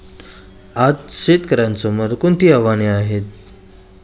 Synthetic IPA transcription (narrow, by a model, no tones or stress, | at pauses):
ad͡zɕet̪kəɾãnt͡sɔməɾkunt̪iɦəʋaneaɦet̪